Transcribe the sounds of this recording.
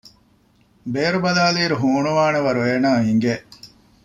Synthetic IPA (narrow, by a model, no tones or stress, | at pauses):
beːɾubɐlaːliːɾuɦuːɳuʋaːnɐʋɐɾueːnaːɦiŋɡeʔ